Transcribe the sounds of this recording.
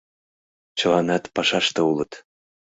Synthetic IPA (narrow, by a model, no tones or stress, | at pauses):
t͡ɕɤ̆lɑnɑt̪pɑʃɑʃt̪ɤ̆ulɤ̆t̪